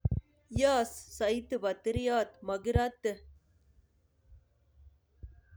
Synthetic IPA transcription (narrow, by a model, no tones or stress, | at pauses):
jaːsːɐjt̪ɨbɐt̪ɾijaːt̪mɐɡɪɾaːt̪ːɨ